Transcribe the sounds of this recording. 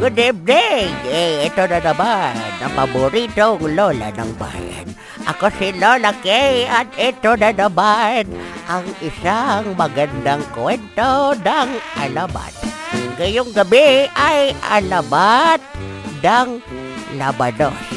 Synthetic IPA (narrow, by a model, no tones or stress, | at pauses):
ɡʊd̪ɛbdeɡeɛt̪onanabanapabʊɾit̪oŋlola̰naŋba̰ja̰n | ʔa̰kosɪlolakejat̪ɛt̪onanabanʔaŋɪsaŋmaɡand̪aŋkwɛnt̪onaŋʔa̰laba̰t̪̚ɡajʊŋɡabɪajʔa̰labat̪̚naŋnabanos